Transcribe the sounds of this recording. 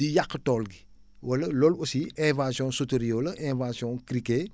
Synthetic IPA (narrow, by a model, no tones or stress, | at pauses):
ijakːətɔːlɡi | wɐlɐlɔlɔsiɛ̃ːvaːsjɔ̃soteɾijolɐʔɛ̃ːvaːsijɔ̃kɾikeː